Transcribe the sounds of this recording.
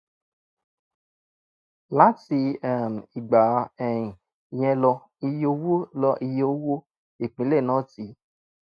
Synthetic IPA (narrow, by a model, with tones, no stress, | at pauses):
la˨˦ti˧ɛ˨m˨i˨ɡ͡ba˨ɛ˨jĩ˨ | j̃ɛ̃˧lɔ˧ | i˧jo˧wo˦lɔ˧ʔi˧jo˦wo˦ | e˨k͡pĩ˨˦le˦˨nɔ̃˦ti˨˦